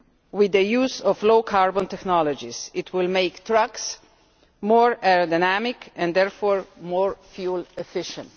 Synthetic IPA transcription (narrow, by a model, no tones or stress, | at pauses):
wɪðəjuːzɔfloʊkʰaɹbɔ̃ntɛknɔlɔd͡ʒisɪtʰwɪlˠmeɪktʰɹʌks | mɔɹɛɹodaɪnæmɪkʰɛ̃ndɛɹfɔɹmɔɹfjulɛfɪʃə̃nt